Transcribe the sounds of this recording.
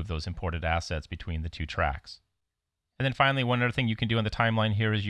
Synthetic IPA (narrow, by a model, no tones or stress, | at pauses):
vðoʊzɨ̃m̩pʰɔɹʔn̩tæsɛtsb̥ɨtʰw̥ĩnðɨtʰʉtʰɹ̥æ̰ks | ɨ̃nðɨ̃nfãɪ̃nl̩ˠiwʌ̃nʌðə˞θɪ̃ŋjɨkʰɨ̃ndɨə̃nðɨtʰãɪ̃mlˠãɪ̃nɦiɹɨzj